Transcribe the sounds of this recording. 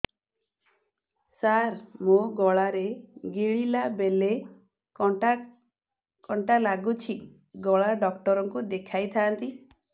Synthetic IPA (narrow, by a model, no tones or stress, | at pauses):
saɾmoɡɔɭaɾeɡiɭilabele | ɔa | kɔɳʈalaɡut͡ʃʰi | ɡɔɭaɖɔk̚ʈɔɾɔŋkud̪ekʰajt̪ʰaːnt̪i